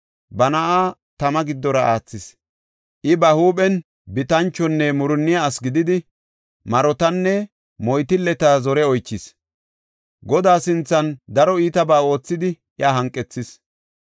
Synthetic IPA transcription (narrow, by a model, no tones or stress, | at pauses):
bɐnɐʔaːt̪ɐmɐɡɪd̪ːɔɾɐʔaːt͡sːɪs | ʔɪbɐhuːɓɛn | bɪt̪ɐnt͡ʃːɔnːɛmʊɾʊnːɪjaːsɡɪd̪ɪd̪ɪ | mɐɾɔt̪ɐnːɛ | mɔjt̪ɪlːɛt̪azɔɾɛɔjt͡ʃːɪs | ɡɔd̪aːsɪnt͡sːɐnd̪ɐɾɔiːt̪ɐbaːo̞ːt͡sːɪd̪ɪ | ʔjaːɦɐŋkʼːɛt͡sːɪs